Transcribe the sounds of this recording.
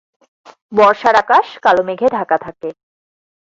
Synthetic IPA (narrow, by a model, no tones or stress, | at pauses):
bɔɾʃaɾakaʃkalomeɡʱed̪ʱakat̪ʰake